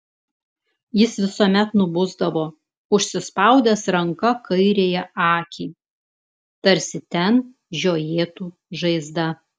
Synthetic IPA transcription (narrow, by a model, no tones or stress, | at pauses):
jɪsʋʲɪsoːmʲɛt̪nʊbʊzd̪ɐʋoː | ʊʃʲsʲɪspɐˑʊd̪ʲɛsɾɐŋkɐkʰɐɪɾʲeːjɛʔɑːkʲiː | t̪ɐɾʲsʲɪt̪ʲɛn | ʒʲoːjeːt̪uː | ʒɐɪzd̪ɐ